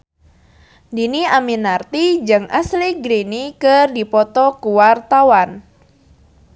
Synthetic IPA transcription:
diniaminart̪id͡ʒɨŋʔa̰sliɡɾinikɨrdipɔt̪ɔkuwart̪awan

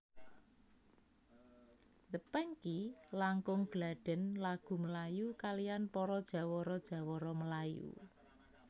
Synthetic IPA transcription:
d̪əpɛŋkilaŋkʊŋɡ̥laɖ̥ɛ̤nlaɡ̥ṳməlajukalijanpɔɾɔd̥ʒ̥ä̤wɔɾɔd̥ʒ̥ä̤wɔɾɔməlajṵ

